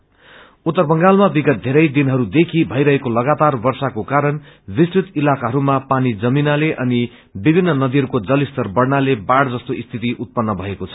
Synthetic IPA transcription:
ut̪ːʌrbʌŋɡalmabiɡʌt̪̚d̪ʱeɾʌjd̪inɦʌɾud̪ekʰibʱʌjɾʌɦekolʌɡat̪arbʌrsakokaɾʌn | bist͡sit̪ilakaɦʌɾumapanid͡zʌminaleʔʌni | bibʱinːʌnʌd̪iɦʌɾukod͡zʌlist̪ʌrbʌɽnalebaɽd͡zʌst̪oʔist̪ʰit̪iʔut̪̚pʌnːʌbʱʌekot͡sʰʌ̥

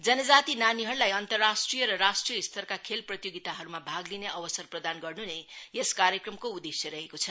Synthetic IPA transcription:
d͡zʌnʌd͡zat̪inaniɦʌɾulajʌnt̪ʌrːasʈrijʌɾʌɾasʈrijʌist̪ʰʌrkakʰelprʌt̪joɡit̪aɦʌɾumabʱaɡlineʔʌbʌsʌrprʌd̪anɡʌrnunejeskaɾjʌkrʌmkoud̪esjʌɾʌɦekot͡sʰʌ

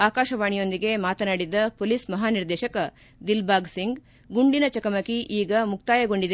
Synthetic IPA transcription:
aːkaːʃɐʋaːɳijo̞nd̪iɡe̞maːt̪ɐnaːɽid̪ːɐpolismɐɦaːniɾd̪ɛːʃɐkɐ | d̪ilbaːɡsiŋɡ | ɡuɳɖinɐt͡ʃɐkɐmɐkiʔiːɡɐmuk̚t̪aːjɐɡo̞ɳɖid̪e

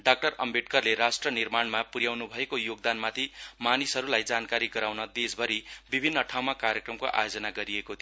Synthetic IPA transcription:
ɖak̚ʈʌrʌ̰mbʱeʈ̚kʌrleɾasʈrʌnirmaɳmapuɾjawnubʱʌekojoɡ̚d̪anmat̪ʰimanisɦʌɾulajd͡zankaɾiɡʌɾawnʌd̪esbʱʌɾibibʱinːʌʈʰawmakaɾjekrʌmkoʔa̰jod͡zʌnaɡʌɾiekot̪ʰi

